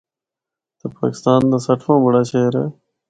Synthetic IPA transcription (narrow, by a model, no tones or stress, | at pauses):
t̪əpa̰ːkɪst̪aːnd̪aːsəʈʰõːbəɽaːʃeːɾeː